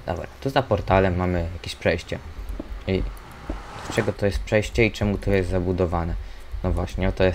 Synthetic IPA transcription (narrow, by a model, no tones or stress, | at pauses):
d̪ɔ̰bɾat̪uzapɔɾt̪alɛmːamɘjakʲeɕpʂɛjɕt͡ɕɛ | i | t͡ʂɛɡɔt̪ɔjɛst̪̚pʂɛjɕt͡ɕɛit͡ʂɛmut̪ɔjɛst̪zabud̪ɔvanɛ | nɔvwaɕɲɛɔt̪ɔjɛs